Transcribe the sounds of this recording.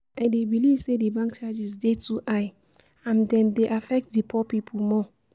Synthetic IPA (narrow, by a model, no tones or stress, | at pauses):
aɪdebilivsedebãŋk̚t͡ʃad͡ʒisdetʰuʔaɪ | ãndɛ̃mdeʔafɛk̚t̚depʰɔpipʰulmɔ